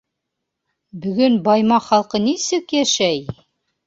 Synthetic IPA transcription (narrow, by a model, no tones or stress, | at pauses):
bɵ̆ɡɵnbɑjmɑχɑlˠqɤnisɘkjæʃæj